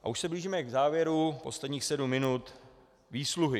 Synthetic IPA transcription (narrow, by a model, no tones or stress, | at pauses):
ʔa̰uʃsɛbliːʒiːmɛɡzaːvjɛɾupo̞̰slɛdɲiːxsɛdumːɪnut̪ | viːsluɦɪ